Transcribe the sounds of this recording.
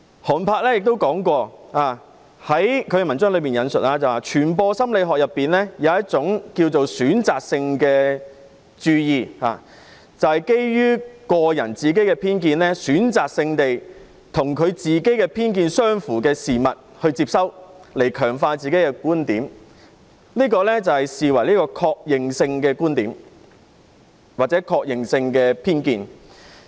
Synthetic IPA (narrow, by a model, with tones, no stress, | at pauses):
hɔː˨˩npʰaː˧k̚lɛː˥jɪ˨k̚t̪o˥wkɔː˨˥ŋkʷɔː˧aː˨˧ | hɐ˨˥jkʰɵ˨˧jɛ˧mɐ˨˩nt͡sœː˥ŋlɵ˨˧ɥmiː˨njɐ˨˧nsɵ˨t̚laː˧t͡sɐ˨waː˨˩t͡ʃʰyː˨˩npɔː˧sɐ˥mle˨˧jɦɔː˨k̚jɐ˨pːiː˨nlɛː˥jɐ˨˧wɐ˥t̚t͡sʊ˨˥ŋki˧wt͡so˨wsyː˨˥nt͡saː˨k̚sɪ˧ŋkɛː˧ | t͡ʃyː˧jiː˨˧ha̰ː˨ | t͡sɐ˨whɐ˨jke˥jjyː˥kɔː˧jɐ̰˨˩nt͡siː˨k̬e˥jkɛ˧pʰiː˥nk̬iː˧nlɛ˥syː˨˥nt͡saː˨k̚sɪ˧ŋt̪e˨j | t̪ʰʊ˨˩ŋkʰɵ˨˧ɥt͡siː˨ke˨˥jkɛː˧pʰiː˥nkiː˧nsœː˥ŋfuː˨˩kɛː˧siː˨mɐ̰˨t̚hɵ˧ɥt͡siː˧p̚sɐ˥wle˨˩jkʰœː˨˩ŋfaː˧t͡siː˨ke˨˥jkɛ˧kuː˥nt̪iː˨˥m | liː˥kɔː˧lɛː˥t͡sɐ˨whɐ˨jsiː˨wɐ˨˩jliː˥kɔː˧kʰɔː˧k̚jɪ˨ŋsɪ˧ŋkɛː˧kuː˥nt̪iː˨˥m | waː˨t̚t͡sɛː˨˥kʰɔː˧k̚jɪ˨ŋsɪ˧ŋkɛː˧pʰiː˥nkiː˧n